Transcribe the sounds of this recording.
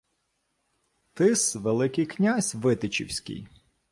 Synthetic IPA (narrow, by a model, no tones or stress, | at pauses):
t̪ɪsʋelˠɪkɪjknʲazʲʋɪt̪ɪt͡ʃḭwsʲkʲɪ̰j